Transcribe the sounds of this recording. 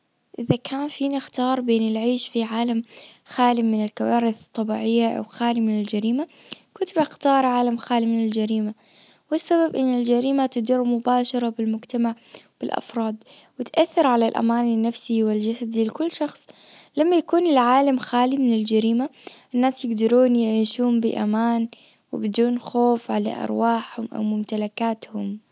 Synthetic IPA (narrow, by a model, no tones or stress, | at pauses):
ʔɪðakʰaːnfiːnɪxt̪ɑːɾˤbeːnɪlʕiːʃfiʕaːlamxaːlɪmɪnɪlkawaːɾɪθt̪ˤːɑbiːʕɪjːaʔa̰wxaːlimɪnɪld͡ʒaɾiːmakʊt̪bɪxt̪ɑːɾˤʕaːlamxaːlimɪnɪld͡ʒaɾiːma | wɪsːababʔɪnːɪld͡ʒaɾiːmat̪ʊd̪ɪɾmʊbaːʃɑɾˤɑbɪlmʊd͡ʒt̪amaʕb̥ɪlʔɑ̰fɾˤɑːd̪ˤwɪt̪ʔaθːɪɾʕalalʔa̰maːnɪnːafsiwɪld͡ʒasad̪ilɪkʊlːʃɑxsˤlamːajakuːnɪlʕaːlamxaːlimɪnɪld͡ʒaɾiːmaʔɪnːaːsjɪɡd̪ɑɾuːnjɪʕiːʃuːmbɪ̰ʔa̰maːn | wɪbɪd̪uːnxoːfʕala̰ʔɑ̰ɾˤwaːħhʊmʔa̰wmʊmt̪alakaːt̪hʊm